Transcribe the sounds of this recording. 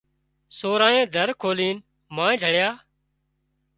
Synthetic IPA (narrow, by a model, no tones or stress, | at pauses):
soːɾãːẽːd̪ʱəɾkʰoːliːn | mãːd͡ʒʱəɽjaː